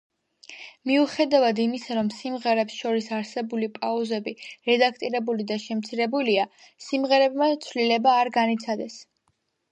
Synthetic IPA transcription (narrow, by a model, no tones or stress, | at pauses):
miuχɛd̪avad̪imisaɾɔmsimʁɛɾɛpsʃɔɾisaɾsɛbulipʼauzɛbiɾɛd̪akʰt̪ʼiɾɛbulid̪aʃɛmt̪sʰiɾɛbulia | simʁɛɾɛbmat̪sʰvlilɛbaːɾɡanit̪sʰad̪ɛs